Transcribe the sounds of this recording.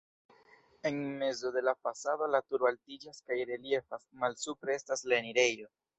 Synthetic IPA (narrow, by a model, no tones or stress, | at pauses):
e̞nme̞zo̞de̞lafasado̞latuɾaltid͡ʒaskajɾe̞lie̞fasmalsupɾeestasleniɾe̞jo̞